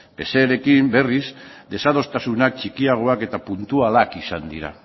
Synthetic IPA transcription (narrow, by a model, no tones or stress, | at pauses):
pe̞se̞ɾe̞kimbe̞rizd̪e̞sað̞o̞st̪asunak̚t͡ʃikiaɣ̞o̞ake̞t̪apunt̪ualakisand̪ḭɾa̰